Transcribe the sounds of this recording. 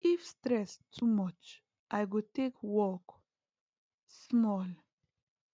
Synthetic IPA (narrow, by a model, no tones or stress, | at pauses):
ʔifstɾɛstʰumʌt͡ʃ | ʔajɡutekʰwɔk | smɔl